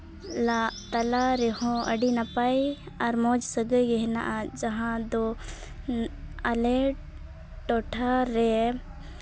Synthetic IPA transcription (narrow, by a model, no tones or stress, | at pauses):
lat̪ɐlaɾɛhɔ̃ə̰ɖinapaj | ɐɾmɔd͡ʒsəɡəɡɛɦna̰ʔad͡ʒɐɦãd̪ɔ | ɐlɛ | ʈɔʈʰaɾɛ